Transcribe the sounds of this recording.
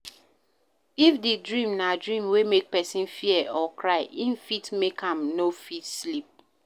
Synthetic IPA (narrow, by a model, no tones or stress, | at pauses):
ifdedɹĩmnadɹĩmwemek̚pɛsĩnfiɛʔɔkɹaɪʔĩnfitmekãmnofitslip̚